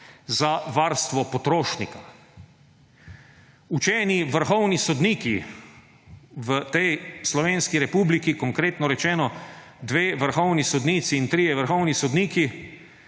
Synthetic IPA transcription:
zaʋaːɾst̪ʋɔpɔt̪ɾoːʃnḭka | ut͡ʃɛːniʋəɾxɔwnisɔd̪niːki | ʋət̪ɛjslɔʋeːnskiɾɛpuːblikikɔŋkɾeːt̪nɔɾɛt͡ʃɛːnɔ | d̪ʋeːʋəɾxɔwnisɔd̪niːt̪siːnt̪ɾijɛʋəɾxɔwnisɔd̪niːki

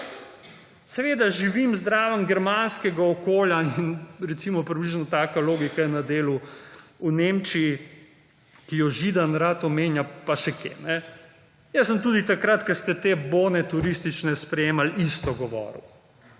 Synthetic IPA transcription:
sɛʋeːd̪aʒiʋimzd̪ɾaːʋənɡɛɾmanskɛɡaɔkoːljainɾɛt̪simɔpɾibliʒnɔt̪aːkaloːɡikajɛnad̪eːluuneːmt͡ʃiː | kijɔʒid̪anɾat̪ɔmeːnjapaʃɛkʰḛːnɛ | jɛsəmt̪uːd̪it̪akɾat̪kɐst̪ɛt̪eboːnɛt̪uɾist̪it͡ʃnɛspɾɛjeːmalist̪ɔɡɔʋɔ̰ːɾṵ

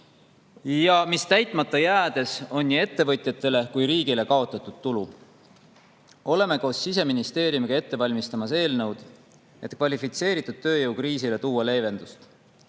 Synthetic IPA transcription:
jɑmist̪æjt̪ˑmɑt̪ːˑɑjæːd̪̥e̞so̞nʲːie̞t̪ːe̞vɤ̞t̪ʲˑjɑt̪ːˑe̞le̞kujɾiːɡ̥ile̞kɑo̞t̪ːˑɑt̪ːˑud̪̥̚t̪ulu | o̞le̞me̞ko̞ːsːis̬e̞minist̪e̞ːɾjumiɡɑe̞t̪ːe̞vɑlʲmist̪ɑmɑse̞ːlnɤwd̪̥ | e̞t̪kvɑlʲifit̪se̞ːɾit̪ːˑud̪̥̚t̪ːø̞ːjɤwkriːsile̞t̪uːɑle̞ːve̞nd̪̥ust̪

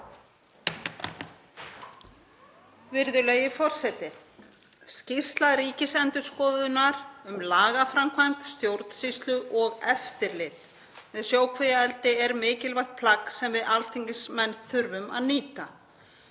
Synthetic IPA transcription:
vɪɾðʏleːɥjɪfɔr̥sɛt̪ɪ | scist̪laɾiːcɪsɛnt̪ʏ̥skɔːðʏnaɾʏmlaːɣafɾamkʰvajmt̪st̪jowɾt̪n̥sist̪lʏʔɔɣɛft̪ɪɾlɪt̪ | mɛðsjoːwkʰvejaɛlt̪ɪɛɾmɪːcɪlvajht̪̚pʰlaksɛmvɪðalt̪ʰiŋcɪsmɛnːθʏɾvʏma̰ðniːt̪a

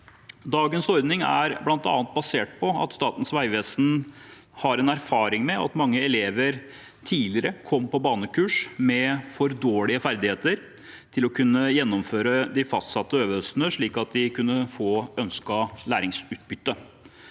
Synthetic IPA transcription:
d̪ɑːɡənsɔɾd̪nɪŋæ̰ɾblɑnt̪ɑ̰ːnət̪̚bɑseːʈ̚pʰɔɑ̰t̪st̪ɑːt̪n̩sʋæɪʋeːsn | hɑɾɛnæɾfɑːɾɪŋmɛɑ̰t̪mɑŋːəɛleːʋəɾ | t̪ʰiːlɪɾəkʰɔmpɔbɑːnəkʰʉːʂmɛfɔɾd̪oːɭɪəfæɾd̪ɪheːt̪əɾ | t̪ʰɪlɔkʰʉnːəjɛnːɔmføːɾəd̪ɪfɑ̰st̪sɑt̪ːəøːʋəœsnəʂɭiːkɑt̪̚d̪ɪkʰʉnːəfoːœnskɑlæːɾɪŋsʉːt̪̚bʏt̪ːə

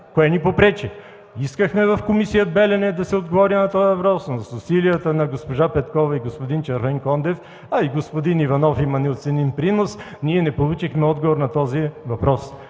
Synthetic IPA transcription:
koɛnipopɾɛt͡ʃɛ | iskəxmɛvɐfkomisijəd̪̚bɛlɛnɛd̪ɐsɛod̪ɡovɔɾinɐt̪ɔjvɐpɾɔsnsʊsilijət̪ənɐɡospoʒapɛt̪kɔvɐiɡospod̪int͡ʃɐɾvɛŋkɔnd̪ɛf | ɐiɡospod̪inivɐnɔfimɐnɛot̪sɛninpɾinosniɛnɛpolˠut͡ʃixmɛɔd̪ɡovoɾnɐt̪ɔzivɐpɾɔs

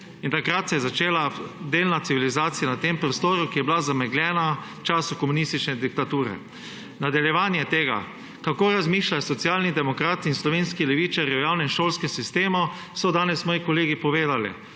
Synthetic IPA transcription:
int̪akɾat̪sɛjɛzat͡ʃeːlad̪eːlnat̪siʋilizaːt̪sijanat̪empɾɔst̪oːɾukijɛblazamɛɡlʲjɛːna | t͡ʃaːsukɔmunist̪it͡ʃnɛd̪ik̚t̪at̪uːɾɛ̰ | nad̪aljɛʋaːnjɛt̪eːɡa̰ | kakoːɾazmiːʃlajsɔt̪sjaːlnid̪ɛmɔkɾaːt̪iːnslɔʋenskilɛʋiːt͡ʃaɾjiɔjawnɛnʃoːlskɛmsist̪eːmɔ | sɔd̪aːnɛsmɔːjikɔleːɡipɔʋeːd̪alḭ

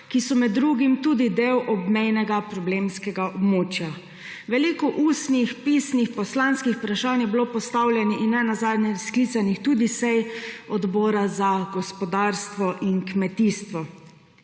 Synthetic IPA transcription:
kisɔmɛd̪ːɾuɡimt̪uːd̪id̪eːwʔɔbmɛjnɛɡapɾɔblemskɛɡaʔɔbmoːt͡ʃja | ʋɛlikɔʔuːsnixpisnixpɔslanskixpɾaʃanjɛbilopɔst̪awlʲjɛniʔinːɛnazaːd̪njɛsklit̪sanixt̪uːd̪isɛjɔd̪bɔːɾazaɡɔspɔd̪aːɾst̪ʋɔʔinkmɛt̪iːst̪ʋɔ

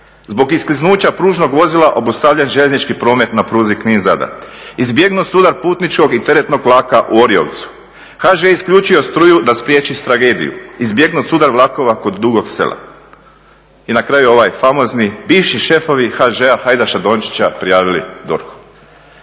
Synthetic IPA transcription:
zbo̞ɡiskliznuːt͡ɕapɾuːʒno̞ɡʋo̞zilaʔo̞bust̪aʋʎenʒeʎeznit͡ʃkipɾo̞ːme̞t̪napɾuːzikninza̰d̪a̰izbje̞ɡnut̪sud̪aɾpuːt̪nit͡ʃko̞ɡit̪e̞ɾet̪no̞ɡlˠaːkaʔuo̞ɾio̰ʋt̪su̥ | xaʒeiskʎuːt͡ʃio̞st̪ɾujud̪aspɾjeːt͡ʃist̪ɾaɡe̞ːd̪ḭjṵizbje̞ɡnut̪suːd̪aɾʋlˠako̞ʋako̞d̪ːuɡo̞ɡse̞̰lʔa̰ | inakɾajuo̞ʋajfamo̞znibiːʃiʃe̞fo̞ʋixaʒeaxajd̪aʃad̪o̞nt͡ʃi̥t͡ɕapɾijaːʋilḭd̪o̰ɾxu̥

